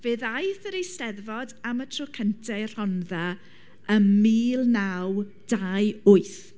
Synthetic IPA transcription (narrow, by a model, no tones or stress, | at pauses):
v̥ɨːðajθəɾejstɛðvɔdamətʰrɔkʰəntʰɛr̥ɔnða | əmiːlˠnaw | d̥aɨʊɨθ